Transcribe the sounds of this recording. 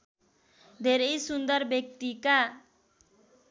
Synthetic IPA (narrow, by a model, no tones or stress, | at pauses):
d̪ʱeɾʌjsund̪ʌrbjʌk̚t̪ika